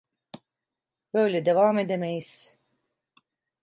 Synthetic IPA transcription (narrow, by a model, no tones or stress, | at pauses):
b̥ø̞jlʲɛd̪e̞vaːme̞d̪emejiz̥